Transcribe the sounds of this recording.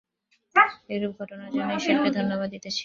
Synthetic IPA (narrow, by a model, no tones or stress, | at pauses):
eɾub̚ɡʱɔʈonad͡ʑanoeʃeɾked̪ʱonːobad̪d̪it̪et͡ɕʰ